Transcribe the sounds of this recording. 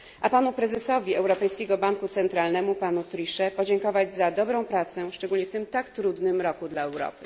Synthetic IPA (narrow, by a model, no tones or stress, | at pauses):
ʔapanupɾɛzɛsɔvʲiɛwɾɔpɛjskʲɛɡɔbaŋkut̪sɛnt̪ɾalnɛmupanut̪ɾiʂɛpɔd͡ʑɛŋkɔvad͡ʑzad̪ɔbɾɔ̃w̃pɾat̪sɛʂt͡ʂɛɡulɲɛft̪ɘmt̪akt̪ɾud̪nɘmɾɔkud̪laɛwɾɔ̰pɘ̥